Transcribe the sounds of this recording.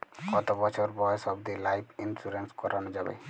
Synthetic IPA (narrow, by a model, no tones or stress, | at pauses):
kɔt̪obɔt͡ʃʰoɾbɔjsɔbd̪ilajpʰinfɾuɾenskɔɾanod͡ʒabḛ